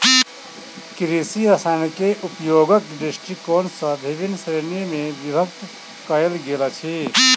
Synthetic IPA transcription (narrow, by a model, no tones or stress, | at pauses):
kiɾisiɾəsaːnkeʔupjoːɡək̚d̪ɾisʈikonsə̃bʱibʱinːəsɾenimebibʱək̚t̪ | kəelɡelət͡ʃʰi